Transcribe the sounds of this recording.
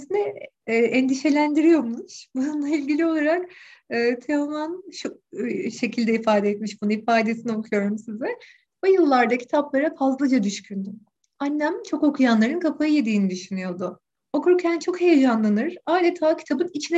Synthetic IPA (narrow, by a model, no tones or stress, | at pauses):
sinɛː | ʔɛnd̪iʃe̞lʲænd̪iɾijo̞ɾmnuʃbununlˠailʲɟilʲio̞lˠaɾak̚ɯːt̪ʰemumanʃuʃe̞cʰilʲd̪ɛifaːd̪ɛɛt̪miʃbunuifaːd̪e̞sinio̞kʰujo̞ɾumsizɛ | bojɯlˠːaɾd̪acʰi̥t̪ʰaplˠaɾafazlˠad͡ʒad̪yʃcʰynd̪y | anːæmt͡ʃʰo̞ko̞kʰujanlˠaɾɯnkʰapʰajɯje̞d̪iːnid̪yʃynyjo̞d̪ʊ | o̞kʰuɾcʰænt͡ʃʰo̞khejed͡ʒanlˠanɯɾaːd̪ʲet̪ʰaːcʰi̥t̪ʰabɯnit͡ʃʰinɛ